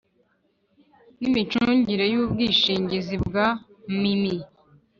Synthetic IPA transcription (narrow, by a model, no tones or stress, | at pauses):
nimit͡ʃuːɲɟiɾe̞jub̚ɡiːʃiːɲɟizibɡa | mimi